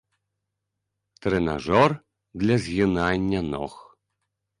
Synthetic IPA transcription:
t̪ɾɛna̰ʐɔr | d̪lʲɐzʲɣʲinanʲːɐnɔ̰x

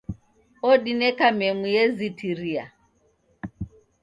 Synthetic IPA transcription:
ɔɗinɛkamɛmujɛzitiɾia̰

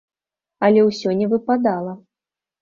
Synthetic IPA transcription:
ɐlʲɛwsʲɔnʲɛvɨpad̪alˠɐ

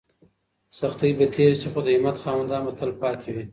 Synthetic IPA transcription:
saxt̪əjbat̪ʰeɾt͡ʃəxod̪əimat̪xɑːwand̪ɑːmat̪ʰəlpɑt̪ʰewi

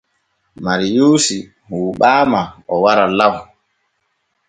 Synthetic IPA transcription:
maɾijuːsi | huːɓaːmaɔwaɾalaw

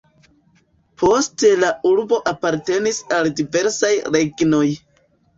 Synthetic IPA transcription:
pʰo̞ste̞lauɾbo̞ʔapaɾte̞nisaldive̞ɾsajɾe̞ɡno̞j

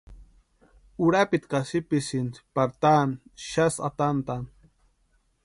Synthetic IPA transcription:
uɾapit̪kasipisint͡spaɾt̪anʃasa̰t̪ant̪an

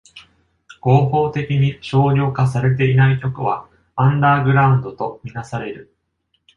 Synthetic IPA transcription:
ɡ̥o̞ːɦo̞ːt̪e̞kʲiɲ̟iɕo̞ːɾʲo̞ːkas̬aɾe̞t̪̬e̞inaikʲo̞kɯ̟βa | ãnd̪aːɡɯ̟ɾaɯ̃nd̪o̞t̪o̞mʲinasaɾe̞ɾɯ̟

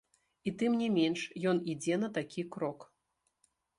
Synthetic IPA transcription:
it̪ɨmnʲɛmʲɛnʂjɔnid͡zʲɛnɐt̪akʲʰikɾɔk

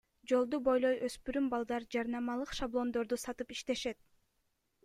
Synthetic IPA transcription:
d͡ʒo̞lˠd̪ubo̞jlˠo̞jʔøspyɾymbɑlˠd̪ɑɾd͡ʒɑɾnɑmɑlˠɯqʃablˠo̞nd̪o̞ɾd̪usɑt̪ɯpiʃt̪e̞ʃe̞t̪̚

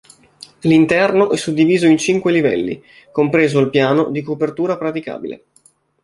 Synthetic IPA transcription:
lint̪ɛrnoʔɛsːud̪ːiviːzoint͡ʃiŋkwelivɛ̰lːḭ | kompɾeːzoilpjaːnod̪ikopert̪uːɾapɾat̪ika̰ːbḭlḛ

